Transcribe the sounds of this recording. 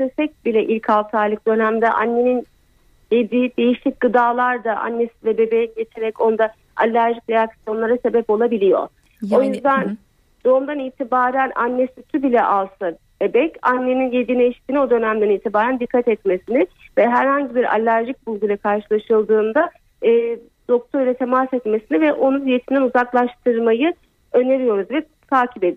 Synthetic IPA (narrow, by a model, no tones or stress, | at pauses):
sefɛc̚bilʲɛʔilʲcʰalˠt̪ʰaːlˠɯk̚d̪̥ø̞næmd̪ɛʔa̰nːe̞nin | jed̪id̪e̞jiʃlʲic̚ɡ̥ɯd̪aːlˠaɾd̪aʔa̰nːe̞silʲɛbe̞bejɛɟe̞t͡ʃʰe̞ɾɛco̞nd̪a | alʲːæɾʒicɾejaksijo̞nlˠaɾase̞bɛpo̞lˠabilʲijo̞̰ | o̞jyzd̪æn | d̪̥o̞umd̪aniːt̪ʰibaːɾænʔanːesyt̪ʰybilʲɛʔalˠsa | ebɛcanːe̞ninjed̪ineʃt̪iːnio̞d̪ø̞næmd̪æniːt̪ʰibaːɾænd̪ikʰːat̪ɛt̪me̞sinɪvɛɦæɾhaɲɟibiɾa̰lʲːæɾʒic̚bulˠɡulʲakʰaɾʃɯlˠaʃɯlˠd̪ɯːnd̪a | ɯː | d̪̥o̞k̚t̪ʰo̞ɾilʲɛt̪ʰe̞masɛt̪me̞sinivɛʔo̞nunje̞t̪ʰinɛnuzaklˠaʃt̪ʰɯɾmajɯ | ø̞ne̞ɾijo̞ɾuzvɛ | t̪ʰaːcʰipe̞d̪i